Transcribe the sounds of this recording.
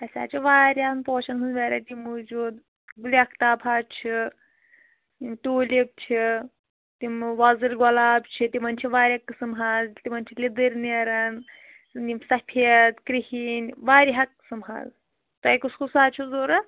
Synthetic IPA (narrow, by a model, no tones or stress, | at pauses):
ɐsʲa̰ːt͡ʃʰiʋaːɾʲaːnpoːt͡ʃʰɐnɦunʋeɾɐt̪imud͡ʒuːd̪ | ɡulʲiɐkʰt̪aːbʰʱaːt͡ʃʰi | t̪imt̪oːlib̚t͡ʃʰi | t̪imʋɐzɨlɡɐlaːbt͡ʃʰit̪imɐnt͡ʃʰiʋaːɾʲɐkːsɨmɦaːzt̪imɐnt͡ʃʰilʲid̪ɨɾneɾɐn | nimsɐʈʰet̪kɾihiːnʲʋaːɾiɦɐk̚sɐmɦa̰ːz | t̪ɐjkuskʰusaːt͡ʃʰuzoːɾɐ